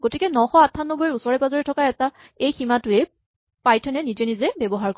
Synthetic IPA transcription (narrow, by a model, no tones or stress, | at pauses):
ɡotikɛnɔxɔatʰːanːɔbɔiusɔɹɛpazɔɹitʰɔkaɛta | ejximatʊɛ | pajtʰɛnɛnid͡ʒɛnizɛbebɔɦaɹkɔ